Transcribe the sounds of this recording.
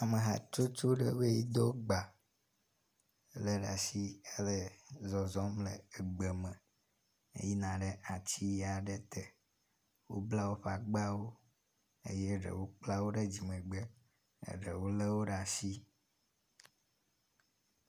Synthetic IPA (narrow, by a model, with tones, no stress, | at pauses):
a˨me˨ɦa̰˨t͡ʃo˦t͡ʃo˦ɖə˦βe˦ji˦d̪ɔ˦ɡ͡ba˨ | lə˦ɖa˨si˦e˦lə˦zɔ˨zɔ˦mlə̰˨e˨ɡ͡be˨mə̃˨ | ḛ˦ji˦nã˨ɖe˦ʔa˨t͡ɕi˦ja˨ɖe˦t̪ɛ˨ | wo̰˦bla˦wo˦ɸa˨ɡ͡ba˦wo˦ | ḛ˦je˦ɖə̰˨wo˦k͡pla˦wo˦ɖe˦d͡ʑi˨mɛ̃˨ɡ͡bḛ˦˨ | ɖe˨wo˦le˦wo˦ɖa˨si˦